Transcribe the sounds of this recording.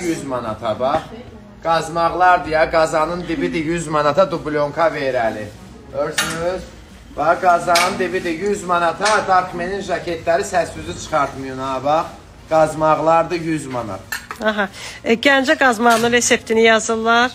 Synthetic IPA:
jyzmɑnɑ̰t̪ʰɑbɑχ | ɡ̥ɑzmɑʁlˠɑɾd̪ɯjɑɡɑzɑnɯnd̪ibid̪ijyzmɑnɑt̪ʰɑd̪ubulʲo̞ŋkʰɑveɾæli | øɾsynyz | bɑɡɑzɑnɯnd̪ibid̪ijyzmɑnɑt̪ʰɑd̪ɑkʰmeninʒɑkʰet̪ʰlæɾisæsyzyt͡ʃʰɯ̥χɑɾt̪mujunɑbɑχ | ɡ̥ɑzmɑʁlˠɑɾd̪ɯjyzmɑnɑ̰t̪ʰɑɦɑɟænd͡ʒæɡɑzmɑʁɯnɯnɾe̞se̞pt̪ʰinijɑzɯlˠːɑɾ

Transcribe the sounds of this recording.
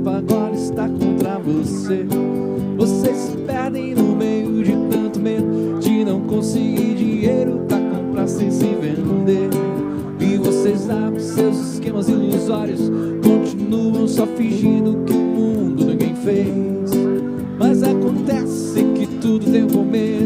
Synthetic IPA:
aɡɔɾɐɪst̪akõnt̪ɾɐvose | vosesɪpɛɾd̪ẽj̃nʊmejʊd͡ʒɪt̪ɐ̃nt̪ʊmed̪ʊ | d͡ʒɪnɐ̃w̃kõsɪɡiɾd͡ʒiɲejɾʊt̪akõpɾasẽj̃sɪ̃vẽd̪eɾ | ɪvosezã | sewziskẽmɐziluzɔɾiʊs | kõt͡ʃinuɐ̃w̃sɔfiʒĩnd̪ʊkɪʊmũd̪ʊnĩɡẽj̃fej | s | mɐzakõnt̪ɛs | ɪkɪt̪ud̪ʊt̪ẽj̃ʊ̃kome

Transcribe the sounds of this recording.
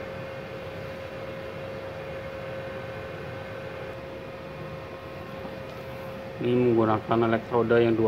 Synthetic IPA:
niməŋɡunakanɛlɛk̚t̪ɾodəjaŋdu

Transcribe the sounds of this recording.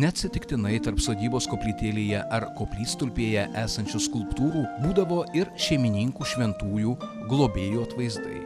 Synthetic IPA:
nʲɛɐt̪ʲsʲɪt̪ʲɪkt̪ʲɪnɐɪt̪ɐɾpsoːd̪ʲiːboːskoːpʲlʲiːt̪ʲeːlʲeːjɛʔɐɾkoːpʲlʲiːst̪ʊlʲpʲeːjɛʔæːsɐnʲt͡ʃʲʊskʊlˠpt̪uːɾuːbuːd̪ɐʋoːɪɾʃʲɛɪmʲɪnʲiŋkuːʃʲʋʲɛnt̪uːjuː | ɡlˠoːbʲeːjuːɐt̪ʋɐɪzd̪ɐ̰ɪ

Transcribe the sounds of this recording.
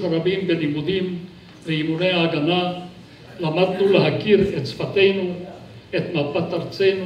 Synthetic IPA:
aɾabimbenimud̪im | leimuneaːɡana | lamad̪nuleɦakiɾet̪t͡sfat̪ejnu | et̪mapat̪aɾt͡sejnu

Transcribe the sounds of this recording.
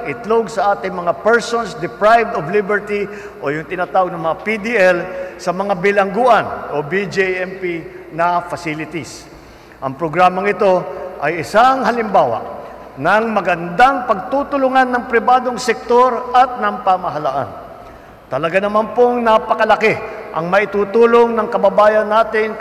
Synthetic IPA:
ɪt̪loɡ̚sɐʔaːt̪ɪŋmɐŋapɛɹsonsd̪ɪpɹajvd̪ovlibɛɹt̪i | ʔo̞jʊŋt̪ɪnat̪aːwɐɡ̚nɐŋmɐŋapid̪iʔɛlsɐmɐŋabɪlɐŋɡuʔɐnʔobid͡ʒiʔɛmpinɐfɐsilɪt̪is | ʔɐŋpɾoɡɾaːmɐŋɪt̪o̞ʔɐjɪsaŋɦɐlɪmbaːwɐ̰ʔ | nɐŋmɐɡɐnd̪aŋpɐɡ̚t̪ut̪ʊlʊŋanːɐŋpɾɪbaːd̪oŋsɛk̚t̪o̞ɾʔɐt̪̚nɐŋpamɐɦɐla̰ːʔa̰n | t̪ɐlɐɡanɐmanpoŋnapɐkɐlɐkɛʔɐ̰ŋmɐʔɪt̪uːt̪uːloŋnɐŋkɐbɐbaːjɐnːaːt̪ɪŋ

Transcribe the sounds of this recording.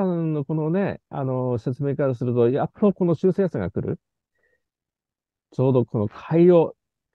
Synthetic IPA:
ãno̞ko̞no̞ne̞a̰no̞se̞t͡sɨme̞ːkaɾasɨɾɯ̟t̪o̞jat̪ːoko̞no̞ɕɨːseːsãŋɡa̰kɯ̟ɾɯ̟̰ | t͡ɕo̞ːd̪o̞kʰo̞no̞kʰaio

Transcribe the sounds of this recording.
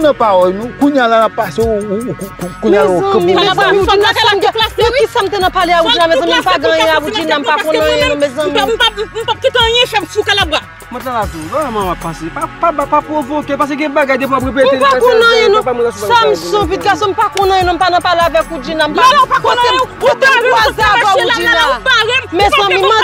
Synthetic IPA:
nɐ̃pawɔjnũkũɲjalanapːase | kũɲalaõmĩmezãmĩakam̩ɡaɛ̃kisam̩t̪̬enɐ̃paleaud͡ʒinamɛ̃zɐ̃mĩm̩paɡãjɛ̃aud͡ʒinãm̩pakɔ̃nãj̃ɛ̃nũbezɐ̃m̃mm̩pap̚kit̪eɐ̃jɛ̃ʃamsiukalaba | mɔ̃tlalavũvaɛmãmapːãsepapabapapɣovokep̬as̬eɡɛ̃baɡajd̪ep̬ũapɣep̬et̪elakõnɐ̃jɛ̃nũbamɔ̃assam̩sɔ̃pit̪̚ɡasɔ̃m̩pakɔ̃ñjɛ̃nũm̩panɐ̃paleavɛkud͡ʒinam̩akɔemkot̪emkwazavaud͡ʒinapaɣɛmmɛ̃ɐ̃mĩmã

